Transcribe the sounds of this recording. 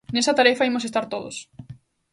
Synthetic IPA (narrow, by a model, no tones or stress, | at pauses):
nesɐt̪aɾefɐimosest̪aɾt̪oðo̰s